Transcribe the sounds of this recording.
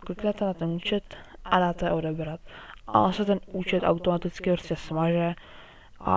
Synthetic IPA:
klɪknɛt̪ɛnat̪ɛnuːt͡ʃɛt̪ʔadaːt̪ɛɛʔo̞dɛbɾat̪ʔa̰ʔonsɛt̪ɛnʔuːt͡ʃɛt̪ʔa̰wt̪omat̪ɪt͡skɪpɾoscʲɛsmaʒɛ | ʔa̰

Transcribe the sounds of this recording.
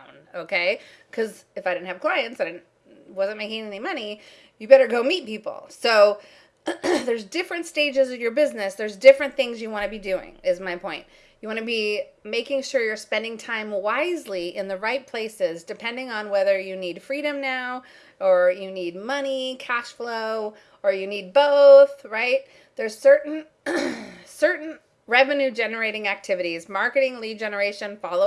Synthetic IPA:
noʊkʰeɪkʰʌz | ɨfaɪɾɪdⁿn̩tɨv̥kl̥aɪɨ̃ntsaɪdɪdⁿn̩ | wʌzɨ̃nmeɪkɪ̃ŋɛnimʌni | jɨbɛɾə˞ɡoʊmit̚pipl̩ˠsoʊ | ðə˞zdɪfɹɨ̃ntsteɪd͡ʒɨzʌvjə˞bɪznɨsðə˞zdɪfɹɨ̃nθɪ̃ŋzjɨwɑ̃ñɨbidʉɪ̰̃ŋɨzmaɪpʰɔ̃ɪ̃nʔ | jɨwɑnɨbimeɪkɪ̃ŋʃʊɹjə˞spɛ̃ndɪ̃ŋtʰãɪ̃mwaɪzliʔɪ̃nðɨɹaɪt̚pʰl̥eɪsɪzdɨpʰɛ̃ndɪ̃ŋə̃nwɛðə˞jɨnid̥fɹiɾɨ̃mnaʊ | ə˞jɨnid̚mʌnikʰæʃfloʊ | ə˞jɨnid̚boʊθɹaɪt̚ | ðə˞z̥sɜ˞ʔn̩ | sɜ˞ʔn̩ | ɹɛvɨnʉd͡ʒɛnə˞eɪɾɪ̃ŋæk̚tʰɪvɨɾizmɑɹkɨɾɪ̃ŋlidd͡ʒɛnə˞eɪʃɨ̃nfɑlˠoʊ

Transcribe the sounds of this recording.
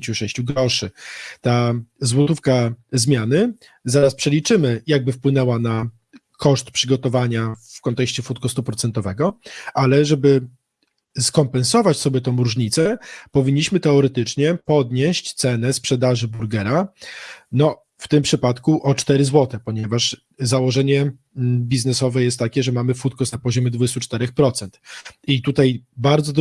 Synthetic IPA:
t͡ɕuʂɛɕt͡ɕuɡɾɔʂɘt̪azwɔt̪ufkazmʲjanɘ | zaɾaspʂɛlʲit͡ʂɘmɘjaɡ̚bɘfpwɘnɛwana | kɔʂt̪pʂɘɡɔt̪ɔvaɲafkɔnt̪ɛkɕt͡ɕɛfut̪̚kɔst̪upɾɔt̪sɛnt̪ɔvɛɡɔʔalɛʐɛbɘ | skɔmpɛnsɔvat͡ɕsɔbʲjɛt̪ɔ̃w̃ɾuʐɲit̪sɛpɔvʲiɲːiɕmɘt̪ɛɔɾɛt̪ɘt͡ʂɲɛpɔd̪ɲeɕt͡ɕt̪sɛnɛspʂɛd̪aʐɘbuɾɡɛɾa | nɔ | ft̪ɘmpʂɘpat̪kuʔɔt͡ʂt̪ɛɾɘzwɔt̪ɛpɔɲɛvaʂ | zawɔʐɛɲɛ | bʲiznɛsɔvɛjɛst̪ːakʲɛʐɛmamɘfut̪̚kɔsnapɔʑɔmʲɛd̪vud͡ʑɛst̪ut͡ʂt̪ɛɾɛxpɾɔt̪sɛnt̪it̪ut̪ajbaɾd̪zɔd̪

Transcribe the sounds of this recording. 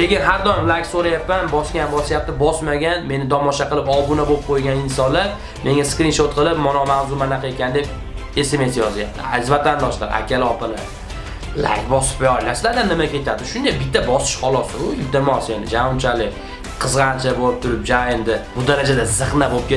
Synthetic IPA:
kʲe̞ɡʲɪnɦaɾd̪ɒjɪmlˠakʲsoɾajapːanbɒskʲanbɒsajap̚t̪ɪbɒsmaɡʲanme̞nɪd̪ɒmɒʃaqɨlˠɪpɒbʊnabop̚qʰojɡʲanɪnsɒnlaɾ | me̞ŋɡʲaskɾinʃot̪̚qʰɨlˠɪp̚mɒnɒmawzʊmanaqekʲand̪e̞p̚ | e̞se̞me̞s̬jɒzajap̚t̪ʰɪa̰ɪzvat̪ʰand̪ɒʃla̰ɾa̰kʲʰalɒpala̰ɾ | la̰kʲbɒsɪ̥pbɒjlasɪlaɾd̪anːɪmakʲʰe̞t̪ʰad̪ɪʃʊnd̪abɪt̪ʰːabɒsɪ̥ʃhɒlˠɒsɪʊjʊd̪amɒsenɪd͡ʒamʊnt͡ʃʰalɪkʲ | qʰɨzʁant͡ʃʰaboɪp̚t̪ʰʊɾɪp̚d͡ʒaɪmd̪ɪbʊd̪aɾad͡ʒad̪azɨχnabopkʲe

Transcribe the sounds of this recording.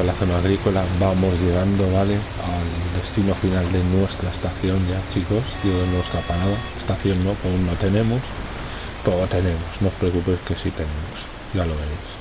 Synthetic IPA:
olaθonaaɣ̞ɾiko̞labamo̞zʎe̞ɣ̞and̪o̞βale̞ | ald̪e̞st̪ino̞finald̪e̞nwe̞st̪ɾaest̪aθjo̞nʝat͡ʃikosd̪enwe̞st̪ɾapaɾaðaest̪aθjo̞nːopunːot̪e̞nẽ̞mos | poɣot̪e̞ne̞mosno̞spɾekupejske̞sit̪e̞nẽmos | ʝaloβeɾejs

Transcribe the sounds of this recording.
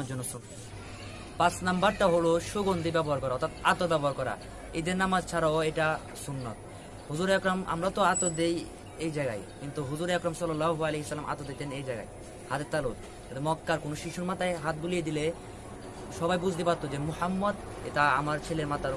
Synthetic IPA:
ad͡ʑɔnːosun | pasnambaɾʈaɦoloʃoɡond̪ibɛboɦaɾkɔɾaɔɾt̪ʰat̪at̪obɛboɦaɾkɔɾa̰ | ejd̪eɾnamad͡ʑt͡ɕʰaɾaoeʈa | sunːa̰t̪ | huzuɾeakɾama̰mɾat̪oat̪od̪ej | ejd͡ʑajɡa̰jkint̪uɦuzuɾeakɾamsɔlːɔlːaɦoaleɦisalːamʔa̰t̪od̪ejt̪enejd͡ʑajɡa̰j | hat̪et̪ːalot̪ | ad̪emɔkːaɾkonoʃiʃuɾmat̪ajɦat̪̚bulijed̪ile | ʃɔbajbud͡ʑʱt̪epaɾt̪od͡ʑemuħamːɔd̪ | ḛʈaamaɾt͡ɕʰeleɾmat̪a

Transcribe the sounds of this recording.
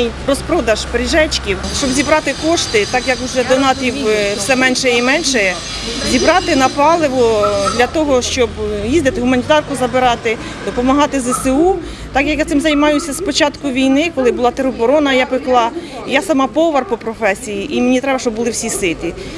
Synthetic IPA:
jrɔspɾɔd̪ɐʒpeɾʲɪʒɛt͡ʃkʲiwʃt͡ʃɔbzʲibɾɑt̪ɪkɔʃt̪ɪt̪ɑkjɐkwʒɛd̪ɔnɑt̪ɾʲiwwsɛmɛnʃɛimɛnʃɛ | zʲibɾɑt̪ɪnɐpɑlˠɪʋɔd̪lʲɐt̪ɔɦɔʃt͡ʃɔbjizd̪ɪt̪ɪɦʊmɐnʲit̪ɑrkʊzɐbɪɾɑt̪ɪ | d̪ɔpɔmɐɦɑt̪ɪzɛsɪu | t̪ɑkjɐkjat̪sɪmzɐjmɑjʊsʲɐspɔt͡ʃɑt̪kʊʋʲijnɪkɔlˠɪbʊlˠɑt̪eɾɔbɔɾɔnɐjɑpɪklˠɑ | ijasɐmɑpɔʋɐrpɔpɾɔfɛsʲijiʔimenʲit̪ɾɛbɐʃt͡ʃɔbʊlˠɪwsʲisɪt̪ʲi

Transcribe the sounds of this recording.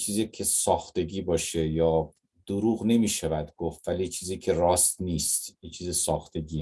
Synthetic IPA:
t͡ʃʰiːzikʲʰesɒːxt̪e̞ɡiːbɒːʃejɒː | d̪̥oɾuːɣne̞miːʃævæd̪ɡofvælit͡ʃʰiːziːkʰe̞rɒːst̪niːst̪it͡ʃʰiːzesɒːxt̪e̞ɡʲiː

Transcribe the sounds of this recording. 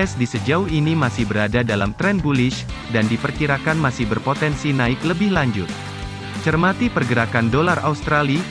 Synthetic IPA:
ɛsdisəd͡ʒauhinimasɪhbəɾadadala̰mt̪ɾɛnbulɪʃ | dandipərkiɾakanmasɪhbərpot̪ɛnsinaɪkləbɪhlaɲd͡ʒʊt̪̚ | t͡ʃərmat̪ipərɡəɾakandolaraust̪ɾali

